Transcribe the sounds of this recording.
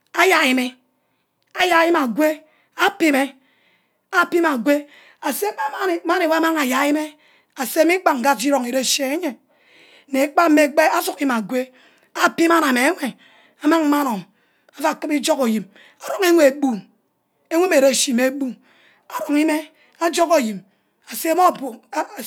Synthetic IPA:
a˦ja˨i˨me˦ | a˦ja˨˦ji˦ma˨ɡʷe˦ | a˦pi˦me˦ | a˦pi˦ma˨ɡʷe˦ | a˨se˦ma˦ma˦˨˦ma˦ne˨wa˦ma˦ŋa˨ja˨˦i˦me˦ | a˨se˦mi˦k͡pa˨ŋ̩˨ɡa˦i˦ɾo˨ŋe˨ɾe˦˨ʃe˨e˦ɲe˨ | ne˨˦k͡pa˦me˦˨ɡ͡be˦a˦su˦kma˨ɡʷe˦ | a˦pi˦ma˦na˨me˨e˦ŋʷe˨ | a˨ma˦ŋm̩˦ma˦no˨ | a˨fa˦˨kɨ˦bi˦d͡ʒɔ˦ko˨ji˨m | a˨ɾo˦ŋe˦ŋʷe˨bu˦˨ | e˦ŋʷe˦me˨ɾe˦˨ʃi˨me˨˦bu˦ | a˨ɾo˨ŋi˦me˦ | a˦d͡ʒɔ˦ko˨ji˨m | a˨se˦mo˦˨bu˨˦˨

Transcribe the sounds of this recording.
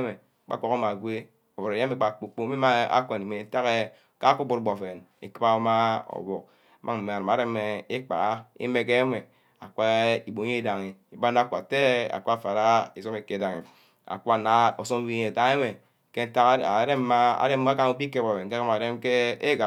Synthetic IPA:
me˨˦ | k͡pa̰˨˦kʷo˦ka˦ma˨ɡʷe˦ | o˨vɾe˨jme˨˦k͡pa˨k͡po˨k͡po˦me˦ma˦a̰˦kʷe˨ni˨me˨n̩˦ta˦ɣe˦ | ka˦ku˦bu˦ɾɡ͡bo˨fe˨nḛ˨ki˦a˦o˦ma˦o̰˨bo˨k̚ | mʔa˦ŋm̩˨m˨a˨ɾa˨ma˨ɾe˦m˦e˨e˦k͡pa̰˨a˦ḭ˦me˨k̬e˦me˨ | a˨ka˦i˨bo˨ɲ˦e˦˨da˨ŋi˨i˨ba˦n˦a˦kʷa˨te˦a̰˨kʷa˨fa˨ɾa˦i˨so˦me˨ke˨da˨ŋe˨ | a̰˨kʷa˦˨na˦o˨so˦m˦wi˦ɲ˦e˨ta˨e˦me˨ | ke˦n̩˦ta˦kɾe˦m̩˦ma˦a̰˨ɾe˦m˦ka˦ŋu˦pi˦ke˦bo˨e˨nke˦ka˦ma˨de˦mke˦e˦ɡa˨

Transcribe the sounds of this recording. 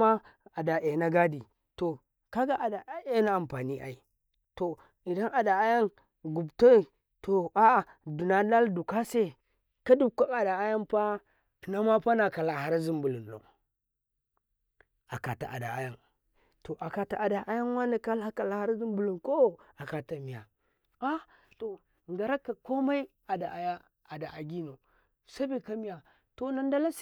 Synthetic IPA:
ma˦a˨da˨e˨na˦ɡa˦di˨ | to˨ | ka˦ɡa˦ʔa˨da˨˦e˦na˦a˨mpa˨ni˦ʔa̰˨i˨ | to˨ | i˨da˦nʔa˨da˨a˦ja˦n | ɡu˨bto˦i˨ | to˨a˦a˨ | du˨na˨la˦ldu˨ka˦se˦ | ka˦du˦bkʷa˦ka˨da˨a˦ja˦npa˦ | ti˨na˦ma˦pa˦na˨ka˨la˨ha˦ɾa˦zi˦mbu˨lu˨nlo̰˨ | a̰˨ka˨ta̰˨ʔa̰˨da̰˨a˨ja˦˨ŋ | to˨ʔa˨ka˨ta˨ʔa˨da˨ʔa˦ja˦ŋ˦wa˦na˨ka˦la˦ka˨la˨ha˦ɾa˦zi˦mbu˨lu˨nko˦˨a˨ka˨ta˨mi˨ja˨ | a˦ | to˨ | ŋɡa˨ɾa˦kːa˨ko˦ma˦i˦ | a˨da˨a˨ja˦ | a˨da˨ʔa˨ɡi˦no˨ | sa˦bi˦˨ka˦mi˦ja˨ | to˨na˦nda˦la˦s

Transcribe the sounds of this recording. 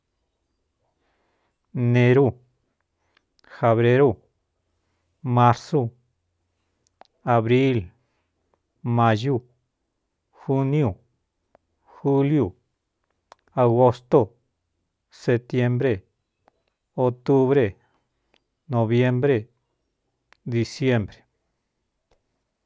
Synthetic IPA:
nẽ˧ɾu˦ | fe˧βɾe˧ɾo˦˧ | mã˧ɾso˧ | a˨βɾi˦l | mã˧ʒu˦˧ | xu˦nju˨ | xu˦lju˨ | a˨ɣo˧st̪o˦˨ | se˧t̪je˧mbɾe˧ | o˧t̪u˦βɾe˧ | nõ˧βje˦mbɾe˦ | d̪i˧sje˦mbɾe̥˨

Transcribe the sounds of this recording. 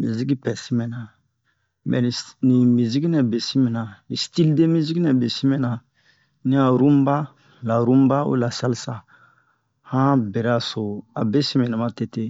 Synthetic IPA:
mi˨zi˦ki˦pɛ˨si˦mɛ̃˨nã˨ | mɛ̰˨ni˨nĩ˨mi˨zi˦ki˦nɛ˨be˨si˦mɛ̃˨nã˨ni˨sti˦lde˦mi˦zi˦ki˦nɛ˨be˨si˦mɛ̃˨nã˨ | nĩ˦a˨ɾũ˦m˦ba˦ | la˨ɾũ˦m˦ba˦o̰˦la˨sa˦lsa˦ | hã˦bɛ˨ɾɛ˦a˨so˨a˨be˦si˦mɛ̃˨nã˨mã˦te˦te˦

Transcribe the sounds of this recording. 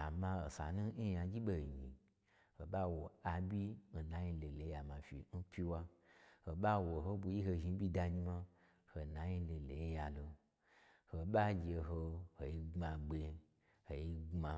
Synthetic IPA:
a˨mã˧o˨sa̰˨nũ˦i˦ja˧˦d͡ʒi˦ɓo˨ɲḭ˨ | ho˨ɓa˦wo˨a˧bʲi˦˨na˨ɲi˧lo˨le˨˦ja˨mã˨fḭ˨n̩˦pʲi˧wa˧ho˨ɓa˦wo˨ɦo˦bu˧ji˦ɦo˧ʒi˧˦bʲi˦da˧ɲi˧ma˧ | ho˨na˨ji˧˦lo˨˧˨le˨ji˦ja˧lo˧ | ho˧ɓa˦d͡ʒe˧ɦo˧ho˨i˧ɡ͡bma˧ɡ͡be˧ | ho˨ji˧ɡ͡bma˧

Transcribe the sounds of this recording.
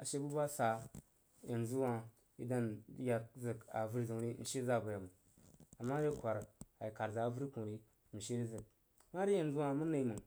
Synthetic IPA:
a̰˨ʃe˦bu˦ba˦sa˨ | ja˨nzu˦wa˦ | ḭ˦da˦n˦ja˨k̚zɨ˨ka̰˨vu˦ɾi˦˨zu˨ŋɾi˦n̩˨ʃe˦za˦˨bu˨ja˨mu˨ | a˨ma˦ɾe˦kʷa˨ɾa˨ji˨ka˨ɾza˨a˨vu˦ɾi˦ku˨ɾi˦ | n̩˨ʃe˦ɾi˦zɨ˨k̚ | ma˦ɾi˦ja˨n˨zu˦wa˦mu˦na˨i˦mɨ˨ŋ

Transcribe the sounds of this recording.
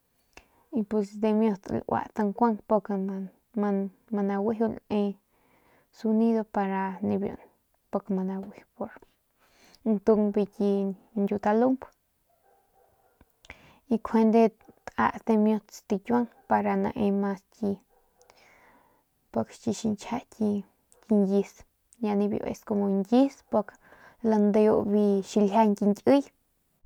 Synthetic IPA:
i˧pu˧sd̪e˧mjo˧t̪lʔwa̰˨t̪a˧ŋkʷa˦ŋpo˧k | a˧ | ma˧na˧wi˦ɦu˧le˧ | su˧ni˦ðo˧pa˧ɾa˧ni˧bjo̰˨n | po˧kma˧na˧wi˧˦hpo˧ɾ | nt̪u˧ŋbi˧kʲi˧ndʲu˧t̪a˧lu˦mb | i˧kʰe˧nd̪e˧t̪a̰˧ʔst̪e˧mjũ˧t͡st̪i˧kʲwa˦ŋpa˧ɾa˧nã̰˧ʔe˧ma˧skʲi˧ | po˧kʃt͡ʃi˧ʃi˧nt͡ʃʰha˧ʔkʲi˧ | kʲi˧ŋji˧s | ɲa˧nĩ˧bjo̰˧ʔḛ˧sko˧mo˧ŋɡʲi˦spo˧k | la˧nd̪e˧jo˧bi˧ʃi˧lɦa˧ŋkʲi˧ŋkʲɨ˦j

